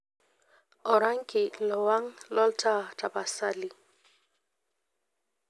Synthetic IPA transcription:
ɔ˨ɾa˦ŋ˦kɪ˨lɔ˨wa˦ŋlɔ˦ltʰa˦tʰa˨pa˨sa˦li˨

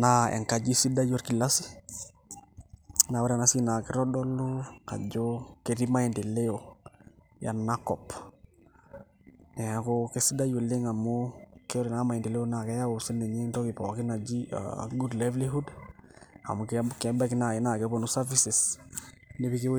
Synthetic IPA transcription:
naɛ̰˨ŋka˨d͡ʒi˦si˦da˦jo˦ɾki˨la˦si | nawa˦ɾa˨na˦si˦na˨ki˦ɾɔ˦dɔloka̰˨d͡ʒokeɾi˦ma˦i˨ndi˨le˦jo | ja̰˨nːakɔp | nɛ˨akoke˦sida˦ju˨le˦ŋa˨mukɛ˦ɔ˦ɾi˨nama˨ji˨ndi˨le˦o˦na˨kɛ˦ja˦wusi˦nːe˨ɲi˦ntɔ˦ki˨pɔ˨ki˦na˨d͡ʒia̰ɡudlevliɦu˦d | a̰˨mu˨kkɛmba˦ki˦na˨i˨na˨kɛponusa˦fisis | nepi˦ke

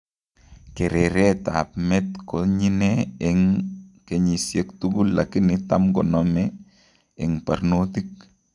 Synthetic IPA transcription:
ke˨ɾe˨ɾɛta̰pmɛ˦tkoɲi˦ne˦ɛŋke˨ɲi˨sje˨kt̪uɡu˦lːa˨kɪ˦nɪta˦mɡɔ˨nɔmɛː˨ | ŋpa˨ɾnotik̚

